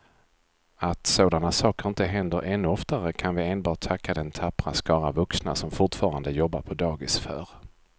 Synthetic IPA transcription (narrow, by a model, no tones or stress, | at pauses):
at̪soːd̪anasɑːkəɾɪnt̪əɦɛnd̪əɾʔɛnːɵɔft̪aɾəkʰanvɪeːnbɑːʈ̚t̪ʰakːad̪ɛnt̪ʰapːɾa̰skɑːɾavɵksna̰sɔmfʊʈfɑːɾand̪əjɔbːa̰ɾpʰɔd̪ɑːɡɪsfœ̰ːɾ